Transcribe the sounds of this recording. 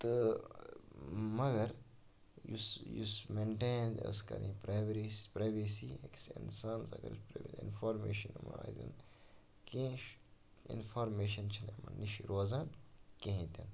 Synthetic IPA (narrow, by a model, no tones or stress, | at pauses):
t̪ɨ | mɐɡɐɾ | jusjusmeɳʈeːnɐskɐ̰ɾḭ̃pɾaːjʋɾispɾaːjʋeːsiːeksḭnsaːnsɐɡɐ̰ɾupɾʋeḭnfoːɾmeːʃɐnumaːd̪ʲn | kẽːʃ | ḭnfaːɾmeːʃɐnt͡ʃʰinemɐniʃɾoːzãːnkẽɦĩt̪ʲɐn